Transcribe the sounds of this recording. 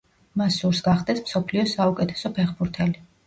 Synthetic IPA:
masuɾsɡaχd̪ɛsmsɔpʰliɔsaukʼɛt̪ʰɛ̥sɔpʰɛχbuɾt̪ʰɛli

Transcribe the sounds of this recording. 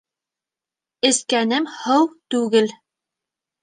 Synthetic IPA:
ɘ̆skænɘmhɤwt̪ʉɡɘl

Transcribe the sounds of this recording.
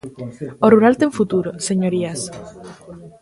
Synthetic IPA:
oruɾalt̪eɱfut̪uɾoseɲoɾias

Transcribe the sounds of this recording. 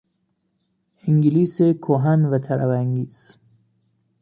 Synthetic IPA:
iŋɡilisekʰoɦænvæt̪ʰæɾævæŋɡiːz̥

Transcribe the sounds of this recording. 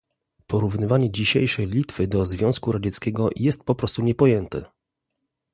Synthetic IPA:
pɔɾuvnɘvaɲɛd͡ʑiɕejʂɛjlʲit̪fɘd̪ɔzvʲjɔ̃w̃skuɾad͡ʑɛt̪skʲɛɡɔjɛst̪̚pɔpɾɔst̪uɲɛpɔjɛnt̪ɛ̰

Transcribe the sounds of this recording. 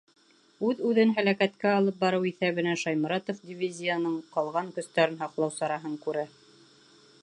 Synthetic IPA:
ʉðʉðɘnɦælækæt̪kæɑlˠɤp̚bɑɾɤwiθæβɘ̆næʃɑjmɤ̆ɾɑt̪ofdʲivʲizʲːijənɤɴqɑlˠʁɑŋkɵ̆st̪æɾɘnɦɑqlˠɑwsɑɾɑɦɤɴkʉɾæ

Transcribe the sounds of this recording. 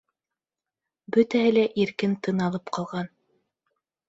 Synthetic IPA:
bɵt̪æhɘlæʔiɾkɘnt̪ɤ̆nɑlˠɤpqɑlˠʁɑn

